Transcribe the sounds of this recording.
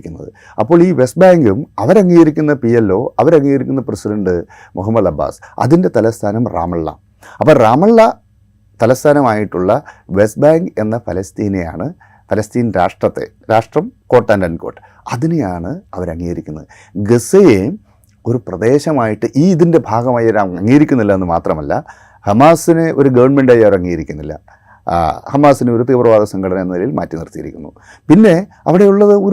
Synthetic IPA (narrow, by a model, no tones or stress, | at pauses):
kʲːunːɐ̰ðɨ | ɐpːo̞ːɭiːʋe̞s̚baːŋɡumɐʋɐɾɐŋːiːjɐɾikʲːunːɐpielːo̞ːʔɐʋɐɾɐŋːijɐɾikʲːunːɐpresidɐɳɖɨ | mʔuɦɐmːɐd̪ɐbʱːa̰ːsɐ̰ðinde̞t̪ɐlɐst̪ʰaːnɐmra̰ːmɐɭːɐ̰ | ɐpːoːɭraːmɐɭːɐ | t̪ɐlɐst̪ʰaːnɐmaːjiʈːuɭːɐʋe̞s̚baːŋɡɨe̞nːɐfɐlɐst̪iːneja̰ːɳɨ | fɐlɐst̪iːnɾaːʂʈrɐt̪ːe̞̰ | ɾaːʂʈrɐmko̞ːʈːaːndɐnko̞̰ːʈːɨ̥ | ɐðinejaːɳɨɐʋɐɾɐŋːiːɐɾikʲːunːɐðɨ | ɡeseje | o̞ɾuprɐðe̞ːɕɐmaːjiʈːɨʔiːiðinde̞bʱaːɡɐmaːjɐɾɐɐŋːiːɾikʲːunːilːɐenːɨmaːt̪rɐmɐlːɐ̰ | hɐmaːsine̞ʔo̞ɾuɡɐʋɐɳme̞ɳɖaːjɐʋɐɾɐŋːiːjɾikʲːunːilːɐ̰ | hɐmaːsineo̞ɾut̪iːprɐʋaːd̪ɐsɐŋɡʰʱɐɽɐnɐmenɐnilɐjilma̰ːtːinirt̪ːijɐ̰ɾḭkʲːunːṵ | pinːe̞ | ɐ̰ʋiɽe̞juɭːɐðɨo̞